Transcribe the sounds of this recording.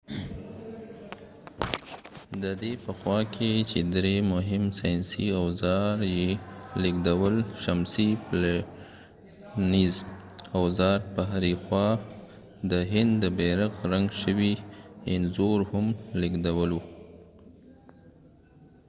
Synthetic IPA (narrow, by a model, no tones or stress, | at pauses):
d̪əd̪epəxwɑkʰet͡ʃed̪ɾemʊɦɪmsɑjnsiawzɑɾjeliɡd̪awəlʃamsipla | niz | awzɑɾpəɦaɾixwɑ | d̪əɦɪnd̪d̪əbeɾaɣɾaŋɡʃəwiɪnzoɾhʊmliɡd̪awəlu